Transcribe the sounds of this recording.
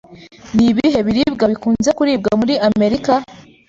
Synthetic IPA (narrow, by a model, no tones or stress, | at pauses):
niβiɦe̞βiɾibɡaβikuːnze̞kuɾiːb̚ɡamuɾiame̞ɾika